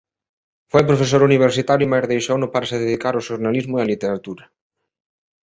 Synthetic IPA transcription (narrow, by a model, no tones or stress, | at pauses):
fojpɾofes̬oɾuniβ̞eɾsit̪aɾjumajɾðejʃaonʊpaɾasɪðeðikaɾaʊʃoɾnalizmʊealit̪eɾat̪uɾɐ